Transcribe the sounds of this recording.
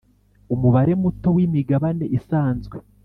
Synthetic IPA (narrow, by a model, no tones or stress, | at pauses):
umuβaɾe̞muto̞wimiɡaβane̞ʔisaːnzɡwe̞